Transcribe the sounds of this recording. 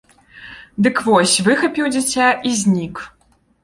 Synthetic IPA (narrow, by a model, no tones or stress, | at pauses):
d̪ɨkvɔsʲvɨxɐpʲiwd͡zʲit͡sʲaʔizʲnʲik